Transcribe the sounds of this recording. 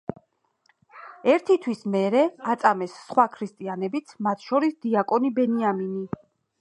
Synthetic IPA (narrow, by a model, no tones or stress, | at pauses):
ɛɾt̪ʰit̪ʰwismɛɾɛat̪sʼamɛsːχwakʰɾist̪ʼianɛbit̪sʰmat̪ʰʃɔɾisd̪iakʼɔnibɛniamini